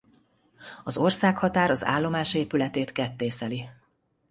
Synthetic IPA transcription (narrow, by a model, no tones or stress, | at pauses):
ɒzo̞rsaːkhɒt̪aːɾɒza̰ːlːo̞maːʃeːpylɛt̪eːt̪kɛt̪ːeːsɛli